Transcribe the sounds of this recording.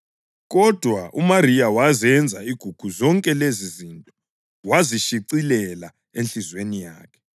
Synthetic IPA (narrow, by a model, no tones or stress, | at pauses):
ɣɔd̥ʱwaʔumariawazɛnd͡zʱaiɡ̥ʱuɡ̥ʱuzɔŋkʼɛlezizintʼɔ̥ | waziʃiǀilɛla | enɬizwenijaːkʰɛ̥